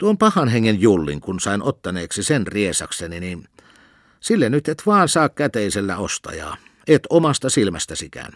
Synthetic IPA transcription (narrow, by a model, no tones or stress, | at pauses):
t̪uompɑhɑnheŋːenjulːḭŋkunsɑˑinʔot̪ːɑneːksisenriesɑkseninin | silːenyt̪et̪ʋɑːnsɑːkkæt̪eˑiselːæost̪ɑ̰jɑ̰ː | et̪omɑst̪ɑsilmæ̰st̪æsikæ̰n